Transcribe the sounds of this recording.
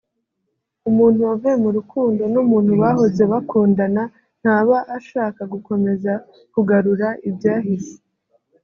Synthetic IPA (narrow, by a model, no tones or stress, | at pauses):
umuːn̥huovvemuɾukuːndo̞numuːn̥huβaɦo̞ze̞βakuːndana | n̥haːβaʔːʃaːkaɡuko̞me̞za | kuɡaɾuɾaʔibjaːɦisi̥